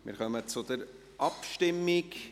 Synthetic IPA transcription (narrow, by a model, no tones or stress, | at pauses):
mɪ̰ɾχœmət͡sʊd̪əɾ | ʔɑpʃtɪmːɪk